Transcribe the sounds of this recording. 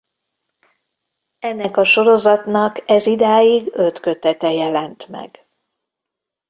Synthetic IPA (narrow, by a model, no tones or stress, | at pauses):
ɛnːɛkɒʃo̞ɾo̞zɒt̪nɒkɛzid̪aːjiɡø̞t̪kø̞t̪ɛt̪ɛjɛlɛnt̪mɛ̰ɡ̥